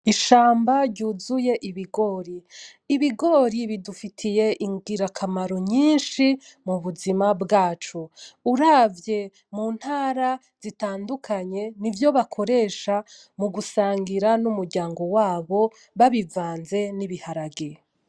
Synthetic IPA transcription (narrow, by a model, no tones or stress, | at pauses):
iʃaːmbaɾɟuːzuje̞ʔiβiɡo̞ɾiː | βiɡo̞ɾiβidufitʰije̞ʔiŋɡiɾakʰamaɾo̞ɲiːnʃimuβuzimabɡaːt͡ʃuuɾavje̞ | muːn̥haːɾa | z̥itaːndukʰaɲe̞nivjo̞βakʰo̞ɾe̞ːʃa | muɡusaːŋɡiɾanumuɾɟaːŋɡo̞waːβo̞ | βaβivaːnze̞niβihaɾaɡe